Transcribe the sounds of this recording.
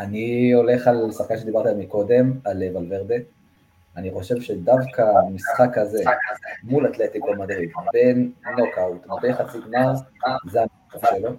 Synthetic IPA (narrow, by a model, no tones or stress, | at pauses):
anio̞le̞χalsaχkanʃe̞d̪ibaʁt̪iamiko̞d̪e̞malevalveʁd̪e | aniχo̞ʃe̞vʃed̪avkamisχakaze̞mulat̪let̪ikomad̪ʁivbe̞nːokawt̪mabejχat͡siɡnazean | afʃelo